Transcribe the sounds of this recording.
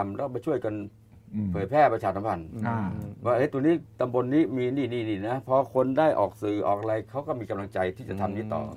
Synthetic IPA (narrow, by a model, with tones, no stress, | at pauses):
mlɛː˦˥˩ma˧jt͡ɕʰu˥˩əjka˧n | pʰɤː˨˦jpʰɛː˥˩pɾa˧t͡ɕʰaː˧˩a˧˦mpʰa˧n˧ | wwaː˥˩ʔe˦˥t̪uː˧niː˦˥˩t̪a˧mbo˧nːiː˦˥˩miː˧niː˧˩niː˧˩niː˧˩na˦˥pʰɔː˧kʰo˧ndaː˥˩jʔɔ̰ː˨˩k̚sɯː˨˩ʔɔː˨˩k̚a˧a˧jkʰa˦˥wkɔː˥˩miː˧ka˧mla˧ŋt͡ɕa˧jt̪ʰiː˥˩t͡ɕa˨˩t̪ʰa˧mniː˦˥˩t̪ɔ̰ː˨˩